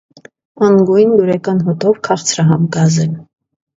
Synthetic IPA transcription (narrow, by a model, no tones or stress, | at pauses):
ɑŋɡujnluɾɛkɑnɦɔt̪ʰɔvkʰɑʁt͡sʰɾɑɦɑmɡɑzɛl